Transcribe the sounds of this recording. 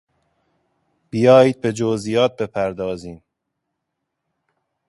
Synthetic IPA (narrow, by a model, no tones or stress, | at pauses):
b̥ijɒːjiːd̪̚be̞d͡ʒozijɒːt̪̚be̞pʰæɾd̪ɒːziːm